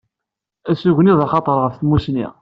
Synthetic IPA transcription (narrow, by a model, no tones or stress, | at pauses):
æsuʝniðɑχɑt̪ˤəɾˤʁəfθəmːusnḭ